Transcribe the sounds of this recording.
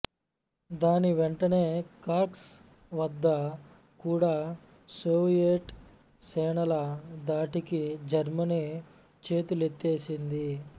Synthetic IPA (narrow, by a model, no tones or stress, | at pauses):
d̪aːniʋeɳʈɐne̞ːkaːɾʈs | ʋɐd̪ːɐ | kuːɽaː | soːʋijeʈ | sɛːɳɐlɐd̪aːʈikid͡ʒɐɾmɐni | t͡ʃe̞ːt̪ulet̪ːeːsind̪i